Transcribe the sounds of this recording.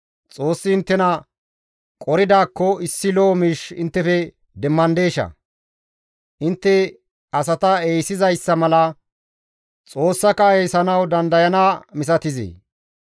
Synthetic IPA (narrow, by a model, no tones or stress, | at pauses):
t͡sʼo̞ːsːɪɪnt̪ːɛnɐ | kʼɔɾɪd̪aːkːɔɪsːɪlomiːʃɪ̰nt̪ːɛfɛ | d̪ɛmːɐnd̪e̞ːʃɐ̰ | ʔɪnt̪ːɛ | ɐsɐt̪ɐeːjsɪzɐjsːɐmɐlɐ | t͡sʼo̞ːsːɐkɐejsɐnɐwd̪ɐnd̪ɐjɐnaːmɪs̬ɐt̪ɪzḛː